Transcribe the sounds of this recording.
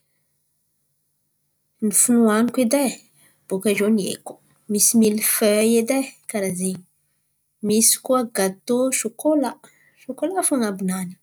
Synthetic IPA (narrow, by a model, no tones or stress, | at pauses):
nifunuwankʷedɛ | bokaʒonjḛko | mismilføjed̪ɛkaɾaziŋ | miskwaɡat̪oʃokola | ʃokolafuŋabunani